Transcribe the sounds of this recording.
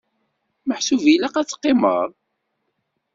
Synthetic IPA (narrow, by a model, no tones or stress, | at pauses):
məħsuvilæqæt͡sːqːɪmə̰ɾˤ